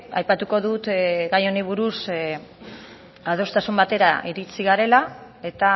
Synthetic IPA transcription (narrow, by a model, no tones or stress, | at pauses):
a̰jpat̪uko̞ðut̪ɣɡajo̞niβ̞uɾus | að̞o̞st̪asumbat̪e̞ɾaʔiɾit͡siɣaɾe̞la | e̞t̪a